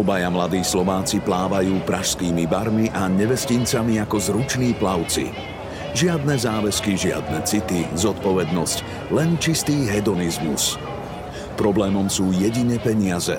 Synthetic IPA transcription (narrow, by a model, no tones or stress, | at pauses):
ɔbajamlad̪iːslɔʋaːt͡siplaːʋajuːpɾaʃskiːmibaɾmiʔaɲɛʋɛscint͡samiakɔzɾut͡ʃniːplaʊt͡sḭ | ʒɪad̪nɛzaːʋɛskiʒɪa̰d̪nɛt͡sit̪izɔt̪pɔʋɛd̪nɔsc | lɛnt͡ʃist̪iːɦɛd̪ɔnizmṵs | pɾɔblɛːmɔmsuːjɛɟiɲɛpɛɲɪazɛ̰